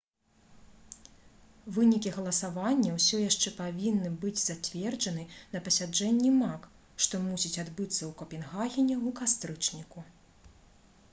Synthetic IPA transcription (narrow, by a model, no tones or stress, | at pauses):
vɨnʲikʲiɣɐlˠɐsavanʲːɐwsʲɔjaʂt͡ʂɛpavʲinːɨbɨd͡zʲz̥at͡sʲvʲɛrd͡ʐɐnɨnɐpɐsʲad͡ʐɛnʲːimak | ʂt̪ɔmusʲit͡sʲad̪bɨt̪sːɐwkɐpʲɛnɣaɣʲinʲɛukast̪ɾɨt͡ʂnʲiku